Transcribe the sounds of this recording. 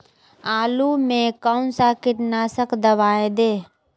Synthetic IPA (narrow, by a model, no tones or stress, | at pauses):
aːlumẽkaʊnsakɪʈnaːsəkd̪əʋaːẽd̪eː